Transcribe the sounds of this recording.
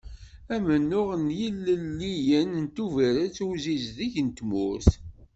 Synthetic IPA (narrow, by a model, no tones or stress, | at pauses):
æmənːʊʁənjilːəlːijənənt̪uvæɾət͡sːuzizðiçənt̪mʊɾθ